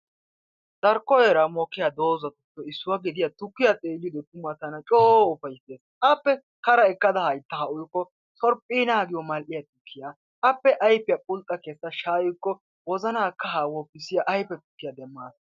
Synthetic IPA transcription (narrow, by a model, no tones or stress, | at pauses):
d̪̥ɐɾkːɔjɛɾɐmɔkːɪjad̪o̞ːzɐt̪ʊt̪ːɔɪsːʊwɐɡɛd̪ɪjat̪ʊkːɪjat̪ʼeːlːɪd̪ɔt̪ʊmːɐt̪ɐnɐt͡ʃʼoːʊfɐjseːs | ɐpːɛ | kɐɾɐɪkːɐd̪ɐhɐjt̪ːɐhɐʔʊjkːɔ | sɔɾpʼːiːnaːɡɪjɔmɐlʔɪjɐt̪ʊkʰːɪja | ɐpːɛʔɐjpːɪjɐpʼʊlt̪ʼːɐkɛsːɐʃaːjʊjkːɔ | wɔzɐnaːkːɐɦaːwɔpːɪsɪjaʔɐjpːɛt̪ʊkːɪjɐd̪ɛmːaːs